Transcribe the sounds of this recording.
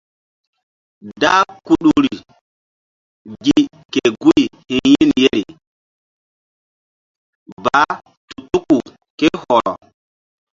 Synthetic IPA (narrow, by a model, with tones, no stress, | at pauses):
da˦ku˦ɗu˦ɾi˨ | ɡi˦˨ | ke˨ɡu˦jhi˨nji˦nje˦ɾi˨ | ba˨˦ | tu˨tu˦ku˨ | ke˦hɔ˨ɾɔ˨